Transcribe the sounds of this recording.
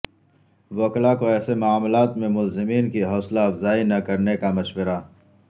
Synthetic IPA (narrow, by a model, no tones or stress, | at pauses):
ʋoːklakoɛːsemʊaːmlaːt̪mẽmʊlzɪmiːnkiɦɔːslaːfzaːinɐkɐɾnekamɐʃwəɾa